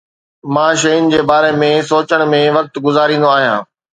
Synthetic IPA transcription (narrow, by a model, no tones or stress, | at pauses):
mãːʃɐjʊnɪ̆d͡ʑeːbaːɾemẽsoːt͡ɕəɽ̃mẽʋɐk̚t̪ɡʊzaːɾĩːn̆d̪oaːɦijã̰ː